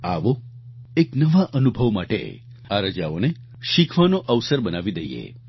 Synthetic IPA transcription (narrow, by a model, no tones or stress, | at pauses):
a̰ʋo | eknəʋaʔənubʱəʋmaʈḛ | aɾəd͡ʒao̰ne | ʃikʰʋanoʔəʋsəɾbənaʋid̪əjḛ